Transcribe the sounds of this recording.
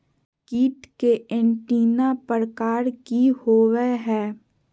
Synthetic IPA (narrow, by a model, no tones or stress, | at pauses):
kiːʈkeʔɪ̃ɳʈiːnapəɾəkaːɾkihoːweɦɛː